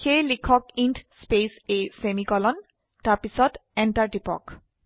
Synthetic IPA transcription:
xejlikʰɔkintspesesemikɔlɔn | taɹpisɔtɛntaɹdipɔ̰k

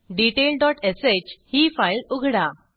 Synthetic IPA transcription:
ɖiʈelɖɔʈeset͡ɕhiːfajluɡʱɽa

